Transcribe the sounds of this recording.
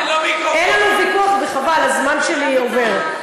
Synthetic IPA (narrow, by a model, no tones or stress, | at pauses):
enlanuvikuaχbeχavalazmanʃelieveʁ